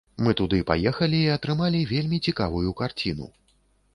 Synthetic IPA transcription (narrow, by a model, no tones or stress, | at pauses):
mɨt̪ud̪ɨpa̰jɛxɐlʲiːɐt̪ɾɨmalʲivʲelʲmʲit͡sʲikavujukart͡sʲin̪ṵ